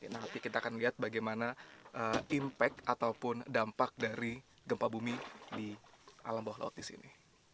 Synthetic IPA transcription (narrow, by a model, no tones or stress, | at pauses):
anat̪ikit̪aːkanliɦat̪̚baɡajmanaəimpɛkat̪awpʊndampak̚daɾi | ɡəmpabumidiʔalambahla̰ʊ̰t̪̚disḭni